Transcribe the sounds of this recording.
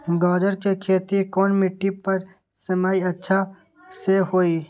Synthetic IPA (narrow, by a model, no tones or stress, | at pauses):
ɡɔːd͡ʒəɾkekʰeːt̪ikoːnmɪʈːipɐɾ | sɐmaːiɐtːʃʰa | sehoːiː